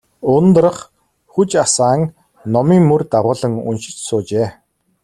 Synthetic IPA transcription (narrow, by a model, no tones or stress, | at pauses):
ʊnt̪̆rə̆χ | xut͡ɕasaːŋ | nɔmiːŋmɵrt̪aʁʊːɮə̆ŋɵ̰nʃɪ̥̆t͡ɕsʊːt͡ɕeː